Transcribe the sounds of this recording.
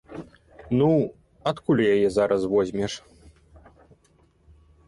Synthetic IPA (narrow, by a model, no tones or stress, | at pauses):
nu | at̪kulʲjajɛzaɾʔɐsvɔzʲmʲɛʂ